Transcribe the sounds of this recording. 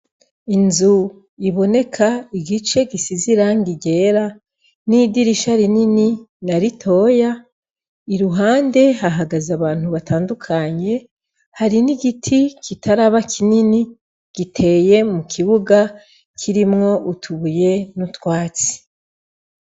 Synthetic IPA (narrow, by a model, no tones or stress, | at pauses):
inzu | iβo̞ne̞kʰaiɡit͡ʃe̞ɡisiziɾaŋɡiɟe̞ːɾa | nidiɾiʃaɾinininaɾitʰo̞ːja | iɾuɦaːnde̞ɦaɦaɡazaβaːn̥huβataːndukʰaɲe̞ | haɾiniɡitʰikʰitʰaɾaβakʰinini | ɡ̥itʰe̞je̞mukʰiβuɡa | kʰiɾimŋo̞ʔutʰuβuje̞nutwaːt͡si̥